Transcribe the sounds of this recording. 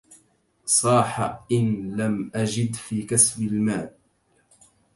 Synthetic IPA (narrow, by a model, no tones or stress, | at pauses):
sˤɑːħaʔɪnlamʔad͡ʒɪd̪fiːkasbɪlmaːʔ